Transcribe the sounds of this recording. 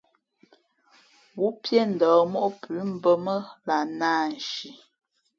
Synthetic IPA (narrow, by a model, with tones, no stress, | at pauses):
wu˨˦pjɛ˦n̩˨dɔː˨˦mɔ˦ʔpʰʉ˨˦m̩˦bə˦mə˦la˨naː˦˨n̩˨ʃi˨